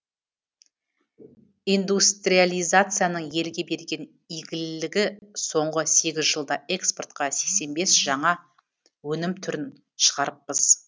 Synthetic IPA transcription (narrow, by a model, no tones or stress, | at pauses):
ijnd̪ust̪ɾijalʲijzat̪sɨjanəɴje̞lɡʲe̞be̞ɾɡʲe̞n | iɡʲɪlɪlɪɡʲɪso̞ɴʁəse̞ɡʲɪzʒəlˠd̪ɑʔe̞kspo̞rt̪qɑse̞kse̞nbe̞sʒ̥ɑɴɑ | wɵnɪmt̪ʰʏɾɪn | ʃə̥ʁɑɾəp̚ːəz̥